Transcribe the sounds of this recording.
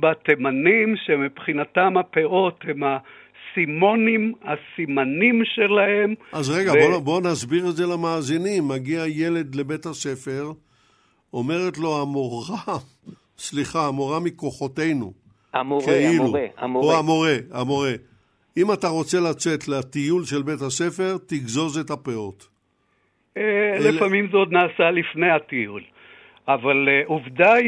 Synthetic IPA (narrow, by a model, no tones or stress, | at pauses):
batemanimʃemipχinatamhapeʔo̞themha | simonimhasimanimʃelahemazʁeɡabobo̞nazbiʁetzelamaːzinimːaɡiaje̞le̞d̪le̞be̞thaʃe̞fe̞ʁ | o̞me̞ʁetlo̞amoʁa | sliχaːmoʁamiko̞χo̞te̞jnṵ | keiluoamoʁeamo̞ʁe | imataʁo̞t͡se̞lat͡setleat̪ijulʃe̞lbe̞thase̞fe̞ʁt̪iɡzo̞zetapeo̞t | elefamimzeod̪naːsalifnejat̪ijul | avaluvd̪a